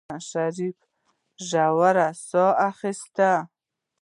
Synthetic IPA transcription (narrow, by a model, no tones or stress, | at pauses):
aʃaɾif | ʒawaɾasɔaxist̪a